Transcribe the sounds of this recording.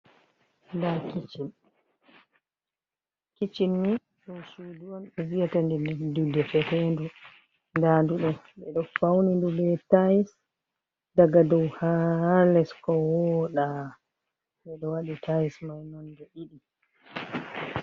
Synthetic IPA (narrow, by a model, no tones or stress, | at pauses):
ndakit͡ʃin | kit͡ʃinːi | ɗɔnʃuduwanɗɔvijatandɛdudɛfɛhɛndu | ndanduɗɔ | ɓɛɗɔfawnindubɛtajis | daɡadɔwhalɛskɔwɔɗa | ɓɛɗɔwaɗitʰajismajnɔndɛʔiɗi